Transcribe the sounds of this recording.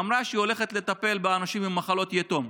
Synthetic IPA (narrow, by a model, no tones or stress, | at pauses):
amɾaʃio̞le̞χet̪le̞t̪ape̞lbeanaʃimimːaχalo̞t̪jet̪om